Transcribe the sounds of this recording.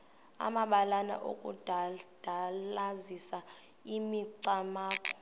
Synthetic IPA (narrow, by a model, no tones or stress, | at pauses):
a̰maɓalana̰ʔo̰kʼṵdʱad̥ʱalazisa | imiǀamaːkʼɔ̥